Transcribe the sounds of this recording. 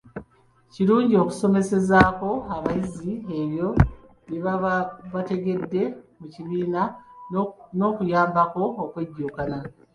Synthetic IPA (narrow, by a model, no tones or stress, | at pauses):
ciɾuːɲɟio̞ku̥so̞me̞se̞zaːko̞aβajizie̞βjo̞ | jeβaβate̞ɡe̞dːe̞muciβiːna | no̞ːkujaːmbako̞ːkweɟːuːkana